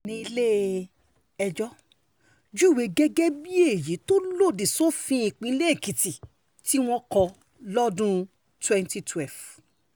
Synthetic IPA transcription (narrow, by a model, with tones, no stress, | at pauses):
nĩ˧i˧le˦˨ | ɛ˧d͡ʒɔ˦ | d͡ʒu˦˨we˨˦ɡɛ˦ɡɛ˦bi˦e˦˨ji˨˦to˦lo˦˨di˨so˦fĩ˧˦ĩ˧k͡pĩ˧˦le˦˨ki˨ti˨ | ti˦w̃ɔ̃˦kɔ˧ | lɔ˦dũ˦ | twɛ̃˦nti˧tʰwɛ˦˨lf